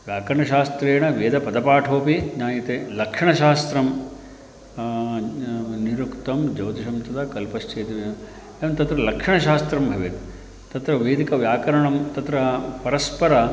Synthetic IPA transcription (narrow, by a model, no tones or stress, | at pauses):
ʋjaːkɐɾɐɳɐʃaːst̪ɾeːɳɐʋeːd̪ʱɐpɐd̪ɐpaːʈʰoːpiɲaːjit̪eːlɐkʂɐɳɐʃaːst̪ɾɐm | niɾukt̪ɐmd͡ʒɐwt̪iʃɐmt̪ɐt̪ɐkɐlpɐst͡ʃeːt̪ɐme | eʋɐnt̪ɐt̪ɾɐlɐkʂɐɳɐʃaːst̪ɾɐmbʱɐʋit̪ | t̪ɐt̪ɾɐʋeːd̪ʱikɐʋjaːkɐɾɐɳɐmt̪ɐt̪ɾɐpɐɾɐspɐɾɐ